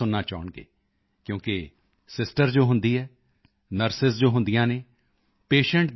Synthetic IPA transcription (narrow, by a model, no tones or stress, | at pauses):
ʊnːaːt͡ʃaːʊɳɡḛː | kjõːke | sɪsʈəɾd͡ʒoːɦʊ̃nd̪iːɦɛː | nəɾsɪsd͡ʒoːɦʊnd̪ijãːneː | peːʃə̃ɳʈ̚